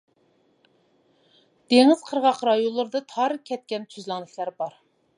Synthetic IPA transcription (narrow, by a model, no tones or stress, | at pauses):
d̪̥eŋɪz̥qʰəɾʁɑqɾɑjonlːˠɨɾɨd̪ɨt̪ʰɑɾkʲʰɛt̪̚kʲɛnt̪ʰyzlɑŋd̪ɪkʲlæɾbɑɾ